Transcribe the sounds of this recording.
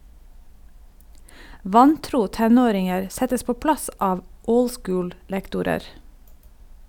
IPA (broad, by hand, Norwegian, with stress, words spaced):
ˈʋɑnˌtɾuː ˈtɛˌnoːɾɪŋəɾ ˈsɛtəs ˈpoː ˈplɑs ˈɑːʋ ˈəʊl ˈskʊːl ˈlɛktʊɾəɾ